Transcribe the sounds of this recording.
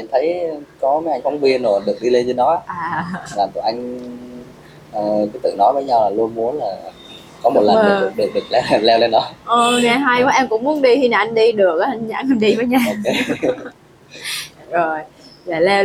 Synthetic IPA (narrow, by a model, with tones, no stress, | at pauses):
mi˨˩nt̪ʰə˨˦jkɔ˨˦məː˨˦jʔa˧jŋ̟fa˨˦wŋ͡mvi˧ənzo˨˩ɗɨ˨˩ək̚ɗi˧le˧nzɨː˨˧˦nɔ˨˦˧ʔaː˨˩vaː˨˩k̪ṵ˧˨˩ʔa˧jŋ̟ | ʔəː˨˩kɨ˨˦t̪ɨ̰˧˨nɔ˨˦jvəː˨˦jɲa˧wlaː˨˩lu˧ənmu˨˦ənlaː˨˩ | kɔ˨˦mo˨˩t̚lə˨˩nɗṵ˧˩˦ɗḭ˨˩ɗɨ˨˩k̚lɛ˧˨˩lɛ˧wle˧nɗɔ˨˦ʔə˨˩ŋa˧˩ɦa˧jkɔ˨˦ʔa˧nkʊ̰˧˥ŋ͡mmu˨˦ənɗi˧hi˧na˨˧˩ʔa˧ŋɗi˧ɗɨ˨˩ək̚a˧ŋza̰ː˧˥˩ŋʔa˧nɗi˧vəː˨˦jɲaː˧˨˧ | zo˨˩jlɛː˨˩lɛ˧